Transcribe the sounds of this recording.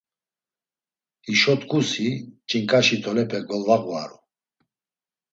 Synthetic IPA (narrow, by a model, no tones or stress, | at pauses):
iʃɔt̪ʼkʰʼusit͡ʃʼiŋkʼaʃit̪ʰʼɔlɛpʰɛɡɔlvaɣwa̰ɾṵ